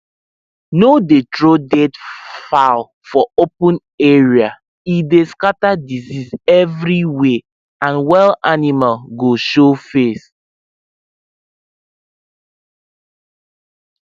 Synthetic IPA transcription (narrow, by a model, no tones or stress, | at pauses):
nodetɹodɛdfal | fɔopə̃n | ɛɹia | ideskatadizisɛvɹiwe | ãnwɛlanimalɡoʃofes